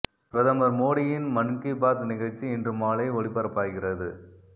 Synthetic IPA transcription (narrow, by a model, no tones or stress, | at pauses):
pɾɐðɐmɐɾmoːɽɪjɪnmɐnkibaːt̪nɪɣɐɭt͡ʃːiɪndrɯmaːleːɔɭɪpːɐɾɐpːaːɣɪrɐðɯ